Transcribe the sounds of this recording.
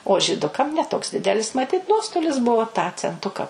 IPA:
oː ʒʲiːˈdʊkɐm nʲɛ toːks ˈdʲɪdʲɛlʲɪs mɐˈtʲɪt ˈnuɔstoːlʲɪs ˈbʊʋoː tɑː t͡sʲɛnˈtʊkɐ

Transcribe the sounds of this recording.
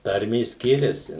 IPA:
ˈtɐrʲmʲeːs ˈsʲkʲɪrʲɛsʲɪ

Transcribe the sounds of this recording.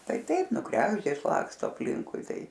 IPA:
ˈtɐɪ ˈtɐɪp ˈnʊ ˈkrʲæːɡʒʲdʲeːs ˈlˠɑːkstoː ɐpʲˈlʲɪŋkʊɪ ˈtɐɪ

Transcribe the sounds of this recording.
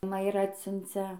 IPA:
mɐ ɪr ˈɑːtʲsʲʊnʲt͡sʲɛ

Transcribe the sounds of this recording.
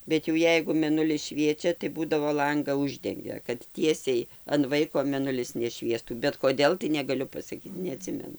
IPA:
ˈbʲɛt jɛʊ ˈjɛɪɡʊ mʲɛˈnʊlʲɪs ˈʃʲʋʲiɛt͡ʃʲɛ tɐɪ ˈbuːdɐʋoː ˈlˠɐŋɡɐ ˈʊʒʲdʲɛŋʲɡʲɛ kɐt ˈtʲiɛsʲɛɪ ɐn ˈʋɐɪkoː mʲɛˈnʊlʲɪs nʲɛˈʃʲʋʲiɛstuː bʲɛt koːˈdʲeːlˠ tɐɪ nʲɛɡɐˈlʲʊ pɐsɐˈkʲiːt nʲɛɐˈtʲsʲɪmʲɛnʊ

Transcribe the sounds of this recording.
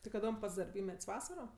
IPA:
tʲɪ kɐˈdoːm ˈpɐts dɐrʲˈbʲiːmʲɛtʲsʲ ˈʋɑːsɐroː

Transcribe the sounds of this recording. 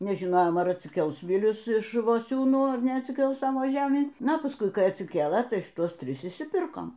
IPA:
nʲɛʒʲɪˈnoːjoːm ɐr ɐtʲsʲɪˈkʲɛlˠs ˈʋʲɪlʲʊs ɪʃ ɪʃ ʋoːˈsʲuːnuː ɐr nʲɛɐtʲsʲɪˈkʲɛlˠs ˈsɑːʋoː ˈʒʲæːmʲiː ˈnɐ pɐˈskʊɪ ˈkɐɪ ɐtʲsʲɪˈkʲeːlˠɘ ˈtɐɪ ʃʲɪˈtuɔs ˈtʲrʲɪs ɪʃʲsʲɪˈpʲɪrkoːm

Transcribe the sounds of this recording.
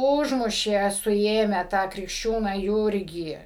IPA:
ˈʊʒmʊʃʲeː sʊˈeːmʲæː tɑː krʲɪkʃʲˈt͡ʃʲuːnɑː ˈjuːrʲɡʲiː

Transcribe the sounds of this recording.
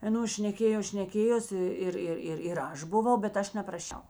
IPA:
ɐˈnoːs ʃʲnʲɛˈkʲeːjoːs ʃʲnʲɛˈkʲeːjoːsʲɪ ˈɪr ˈɪr ɪr ɪr ˈɐʃ bʊˈʋɐʊ bʲɛt ˈɐʃ nʲɛprɐˈʃʲɛʊ

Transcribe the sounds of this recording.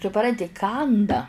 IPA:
sʊˈprɐnʲtʲɪ ˈkɐndɐ

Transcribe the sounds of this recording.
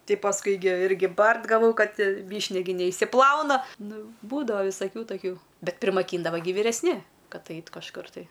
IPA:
ˈtʲɪ pɐsˈkʊɪ ɡʲɪ ˈɪrʲɡʲɪ ˈbɐrt ɡɐˈʋɐʊ ˈkɐt ˈʋʲiːʃʲnʲɛ ɡʲɪ nʲɛɪʃʲsʲɪˈplˠɐʊnɐ ˈnʊ ˈbuːdɐʋɐ ʋʲɪsɐˈkʲuː tɐˈkʲuː ˈbʲɛt pʲrʲɪmɐˈkʲiːndɐʋɐ ɡʲɪ ʋʲiːrʲɛsʲˈnʲɪ ˈkɐt ˈɐɪtʲ kɐʃˈkʊr tɐɪ

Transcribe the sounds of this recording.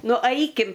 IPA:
ˈnʊ ˈɐɪkʲɪm

